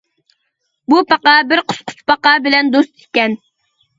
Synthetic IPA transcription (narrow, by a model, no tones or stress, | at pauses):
bupʰɑqɑbɪɾqʰʊ̥sqʰʊ̥t͡ʃpʰɑqɑbɪlɛnd̪ost̪ɪ̥kʲɛn